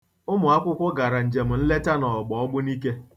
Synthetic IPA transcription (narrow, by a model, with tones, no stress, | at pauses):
ʊ˦mʊ˨a˦kʷʊ˦kʷʊ˦ɡa˨ɾa˨n̩˨d͡ʒe˨m̩˨n̩˦le˦ta˦nɔ˨ɡ͡bɔ˨ɔ˦ɡ͡bʊ˦ni˦k̬e˦